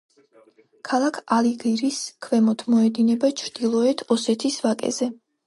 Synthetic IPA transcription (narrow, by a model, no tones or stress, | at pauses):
kʰalˠakʰaliɡiɾiskʰvɛmɔt̪ʰmɔɛd̪inɛbat͡ʃʰɾd̪̥ilˠɔɛt̪ʰɔsɛt̪ʰisvakʼɛ̰zɛ